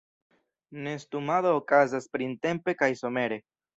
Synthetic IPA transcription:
ne̞stumaðoːkazaspɾinte̞mpe̞kajso̞me̞ɾe̞

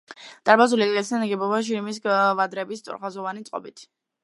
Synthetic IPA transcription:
d̪ʼaɾbazulikʼlɛt̪saniɡɛbɔbaʃ̬iɾimis̬vad̪ɾɛbist̪sʼṵɾʁazɔvanit̪sʼqʼɔ̰bit̪ʰ

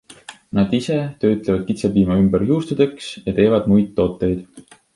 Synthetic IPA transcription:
nɑd̪̥ise̞t̪ø̞ːt̪levɑd̪̥̚kit̪sebiːmɑymbeɾjuːst̪ud̪e̞ksjɑt̪e̞ːvɑd̪̥mujd̪t̪ːo̞ːt̪ːˑe̞jd̪̥

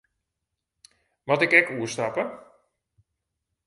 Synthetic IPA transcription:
ʋatɪkɛkuəstapə

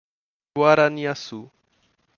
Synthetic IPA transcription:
waɾaniasu

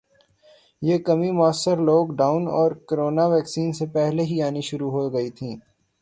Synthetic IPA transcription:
jeːkɐmimʊəsːəɾloːɡɖaːʊnɔːɾkoɾoːnaʋɛːksiːnsepɛɦleɦiaːniʃʊɾuɦoɡɐit̪ʰĩː

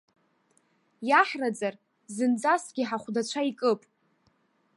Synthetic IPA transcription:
jaħrad͡zar | zɨnd͡zasɡʲiħaχʷdat͡ɕʷʰaikʼɨpʼ

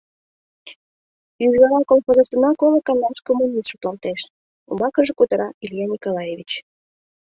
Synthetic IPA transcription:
yʒβɑɾɑkolxozəst̪ə̆nɑkoləkɑnlɑnskomunʲist̪ʃut̪lɑnt̪eʃ | ṵmbɑkəʒekut̪əɾɑilʲjɑnʲikolˠɑjevʲit͡ɕ

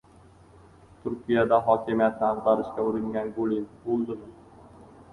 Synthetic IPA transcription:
t̪ʰʊɾkʲijad̪aɦɒkʲʰɪmijat̪̚nɪaʁbaɾɪʃkʲaʊɾɪŋɡʲanɡolinbolˠd̪ɪmɪ

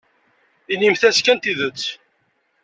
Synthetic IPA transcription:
inimθæskænt̪iðət͡sː

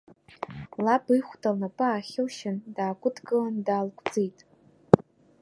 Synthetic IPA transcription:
labɨjχʷdʰalnapʼaːχʲɪwʃɪndaːɡʷʼʊdɡɨlandaːlkʷʰʼd͡zejtʼ

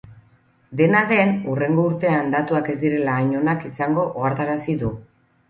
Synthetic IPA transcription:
d̪e̞naðe̞nure̞ŋɡo̞uɾt̪e̞and̪at̪uake̞zd̪iɾe̞laːɲo̞nakisaŋɡo̞ʔaɾt̪aɾasiðu

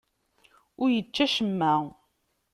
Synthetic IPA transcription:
ʊɾjət͡ʃːæʃəmːæ

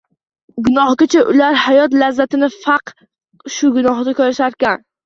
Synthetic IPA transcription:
ɡʊnɒhɡʲat͡ʃʰaʔʊlaɾhajɒt̪lazːat̪ɪnɪfɑq | ʃʊɡʊnɒhd̪akʰʲozaʃaɾkʲan

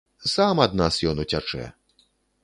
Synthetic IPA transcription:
samad̪̚nasjɔnut͡sʲat͡ʂɛ̰

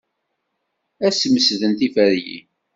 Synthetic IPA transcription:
æsməsðənt̪ifəɾjḭ

